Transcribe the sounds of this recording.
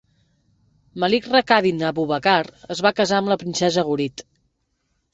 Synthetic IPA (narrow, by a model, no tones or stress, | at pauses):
məlikrəkaðinəβuβəkaɾəzβakəzaəmləpɾinsɛzəɣ̞uɾit̪